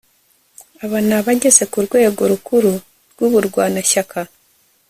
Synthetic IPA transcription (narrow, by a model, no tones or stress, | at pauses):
aβanaβaɟe̞ze̞kuɾɡwe̞ːɡo̞ɾukuɾu | ɾɡ̥uβuɾɡwaːnaʃakʰa